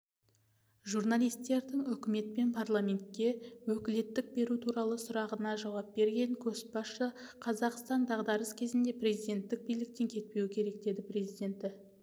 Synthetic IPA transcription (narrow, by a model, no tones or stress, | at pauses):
ʒurnalˠijst̪ːe̞ɾd̪ɪŋʏkʲɪme̞t̪pe̞npʰarlˠamʲe̞nt̪̚kʲe̞wɵkʲɪle̞t̪ːɪk̚be̞ɾut̪ʰuɾɑlˠəsʊɾɑʁənɑʒɑwɑp̚be̞ɾɡʲe̞ŋkʲʰɵsbɑʃəqʰɑzɑqst̪ɑnd̪ɑʁd̪ɑɾəskʲʰe̞zɪnd̪e̞pre̞zijd̪ʲe̞nt̪ːɪk̚bijlɪk̚t̪e̞ŋkʲʰe̞t̪̚pe̞wɪkʲʰe̞ɾe̞k̚d̪e̞d̪ɪpre̞zijd̪e̞nt̪ːɪ